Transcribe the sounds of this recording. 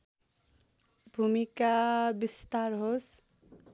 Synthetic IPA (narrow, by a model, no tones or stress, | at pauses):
bʱumikabist̪aɾɦos